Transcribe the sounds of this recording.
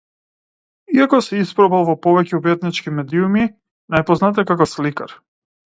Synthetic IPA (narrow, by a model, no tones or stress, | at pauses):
iakɔsɛispɾɔbalˠvɔpɔvɛcɛubɛt̪nit͡ʃkimɛd̪iumi | najpɔznat̪ɛkakɔfslika̰ɾ